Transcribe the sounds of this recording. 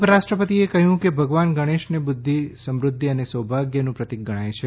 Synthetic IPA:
pɾaʃʈɾəpət̪iekəɦjũkebʱəɡʋanɡəɽ̃eʃnebʊd̪ʱːisəmɾʊd̪ʱːiənesəwbʱaɡjənũpɾət̪ik̚ɡəɽ̃aet͡ʃʰe

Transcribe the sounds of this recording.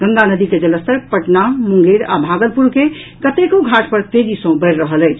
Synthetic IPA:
ɡəŋɡanəd̪iked͡ʒələst̪əɾpəʈnamũŋɡeɾa̰bʱaɡəlpuɾke | kət̪ekoɡʱaʈpəɾt̪ed͡ʒisə̃bəɪɾɾəɦələjt͡ʃʰ

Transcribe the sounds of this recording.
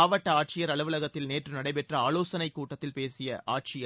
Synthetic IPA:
aːʋɐʈːɐaːʈ̚t͡ʃɪjɐɾɐɭɯʋɯlɐɣɐt̪ːɪlneːʈrɯnɐɽɐɪpɛʈrɐaːloːsɐnɐɪkːuːʈːɐt̪ːɪlpeːsɪjɐʔaːʈ̚t͡ʃɪjɐ

